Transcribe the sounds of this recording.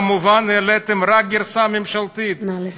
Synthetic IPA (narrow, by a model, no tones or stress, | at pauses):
muvanɛlɛt̪ɛmɾak̚ɡiɾsamimʃalt̪it̪